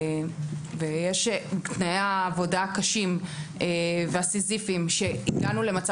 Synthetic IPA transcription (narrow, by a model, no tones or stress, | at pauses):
vejeʃt̪naeaːvo̞dakaʃimeveasizifimʃe̞itɡanule̞mat͡sa